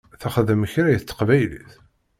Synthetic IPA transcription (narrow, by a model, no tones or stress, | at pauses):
θæχðəmçɾæjəθt͡s̪ːə̥qvæjlḭθ